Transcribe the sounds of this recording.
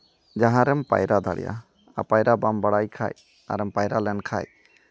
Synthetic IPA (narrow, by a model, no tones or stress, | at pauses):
d͡ʒaɦãɾɛmpa̰jɾad̪ʱaɽɛ̰ja̰ | apajɾabambaɽajkʰa̰j | a̰ɾɛmpajɾalɛnkʰa̰j